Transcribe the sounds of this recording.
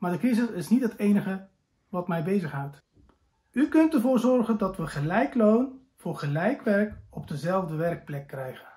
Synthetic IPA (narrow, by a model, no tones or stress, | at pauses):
maːɹdəkrizɪsɪsnitɦətejnəχə | ʋɑtmɛjbejzəχɦawt | ykɵntəɹvʊːɹzɔɹχəndɑtʋəχəlɛjklown | v̥ʊːɹχəlɛjkʋɛrkɔb̚dəzɛlˠvdəʋɛrk̚plɛkːrɛjχən